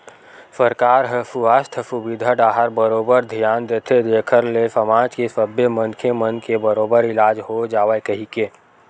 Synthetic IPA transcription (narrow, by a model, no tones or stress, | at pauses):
səɾkaːɾɦəsuast̪ʰəsubid̪ʱəɖaːɦəɾbəɾoːbəɾd̪ʱijaːnd̪et̪ʰed̪eːkʰəɾlesəmaːd͡ʒkesəbjəmənkʰemənkebəɾoːbəɾɪlaːd͡ʒɦod͡ʒaːʋekəɦikeː